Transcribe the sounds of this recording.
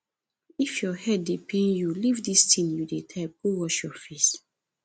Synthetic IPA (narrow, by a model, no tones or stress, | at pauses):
ifjɔhɛddepʰẽnjulivdistʰĩnjudetʰap̚ɡ̥owɔʃjɔfes